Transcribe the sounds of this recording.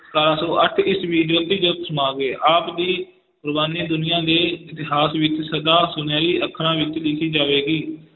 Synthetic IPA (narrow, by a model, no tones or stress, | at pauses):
kaːɾãːsoːʔəʈʰɪsʋiːd͡ʒoːt̪ːiːd͡ʒoːt̪səmaːɡeːʔaːpd̪iː | pɾəbaːniːd̪ʊnɪjãːd̪eːɪt̪ɪɦaːsʋɪt͡ʃsəd̪aːsʊnjãːɾiːʔəkʰːɽãːʋɪt͡ʃlɪkʰiːd͡ʒaːʋeːɡiː